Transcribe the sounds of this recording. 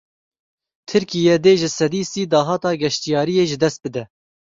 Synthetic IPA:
t̪ʰɨɾkijɛd̪eːʒɪsɛd̪iːsiːd̪ɑːɦɑːt̪ɑːɡɛʃt̪ijɑːɾijeːʒɪd̪ɛst̪̚bɨd̪ɛ

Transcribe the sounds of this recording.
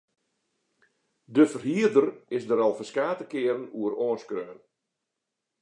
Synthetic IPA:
dəfərhiərdərɪsdəɾɔlˠfəskaːtəkɪəɾən̩uəroːnskrøːn

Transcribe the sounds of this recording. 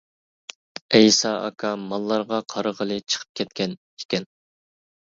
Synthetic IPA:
ɛjsɑɑ̰kʰɑmɑlˠːɑɾʁɑqʰɑɾəʁəlˠɨt͡ʃʰə̥qʰə̥p̚kʲʰɛt̪̚kʲʰɛn | i̥kʲɛn

